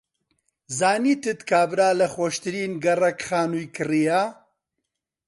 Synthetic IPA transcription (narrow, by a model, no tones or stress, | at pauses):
zaːniːt̪ɨt̪kʰaːbɾaːlɐxwɔʃt̪ɨɾiːnɡɐrɐkχaːnuːjkɨrijaː